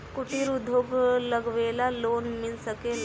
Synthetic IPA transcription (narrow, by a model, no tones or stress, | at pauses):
kuʈiɾud̪ʱoɡləɡʋeːlaloːnmɪlsəke